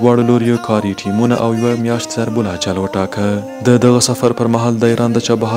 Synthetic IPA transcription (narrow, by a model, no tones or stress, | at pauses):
wɑɽoloɾjokʰɑɾiʈʰimuna̰ʔawjwamjɑʃt̪zaɾbʊlat͡ʃalwəʈɑkə | d̪əd̪aɣasafaɾpəɾmaɦɑld̪əiɾɑnd̪ət͡ʃɑbaɦ